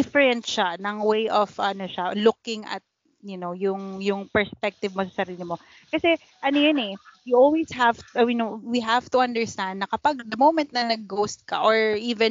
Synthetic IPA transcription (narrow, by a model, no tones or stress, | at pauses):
ɪfɛɾɛnt̪ʃanɐŋwejʔov̥ʔɐnoʃalʊkɪŋʔɐ̰t̪̚ | jʊnowjʊŋjʊŋpɛɹspɛk̚t̪ɪvmosɐsɐɾiːlɪmo̞ | kɐsɛ | ʔɐnojʊnɛjʊʔolwishavt̪ʔɐminowiɦavt̪ʊʔɐ̃nd̪ɛ˞st̪ãnd̪̚nɐkɐpaɡ̚d̪ɐmowmɛ̃nt̪̚nɐnɐɡ̚ːowst̪̚kɐ̰ʔoɹʔiːvɛn